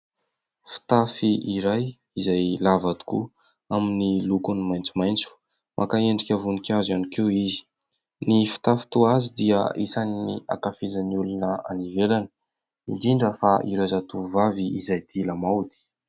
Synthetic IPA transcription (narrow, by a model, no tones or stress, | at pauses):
fi̥t̪afiiɾaj | izajlavad̪u̥ku | aminilukunimajnt͡sumajnt͡su̥ | mʔakaeɳɖ͡ʐikʲəvunikʲazanikewizi̥ | nifi̥t̪afi̥t̪uazid̪iə̰isaninḭa̰kafizaniulunəa̰nivelanə̥ | iɳɖ͡ʐiɳɖ͡ʐəfaʔḭɾazat̪uvaviːzajd̪̥ilamawd̪i̥